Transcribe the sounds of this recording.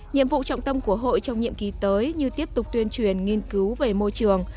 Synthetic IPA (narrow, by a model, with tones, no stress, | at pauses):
ɲḭ˧˨əmvṵ˧˨t͡ɕɔ̰˧˨wŋ͡mt̪ə˧mku˧˩əɦo̰˧˨jt͡ɕɔ˧wŋ͡mɲḭ˧˨əmki˨˦t̪əː˨˦jɲɨ˧t̪i˦˥əp̚t̪ʊ˨˩k͡p̚t̪wi˧ənt͡ɕwi˧˩ənŋi˧ənkɨ˨˦wve˨˩mo˧jt͡ɕɨ˨˩əŋ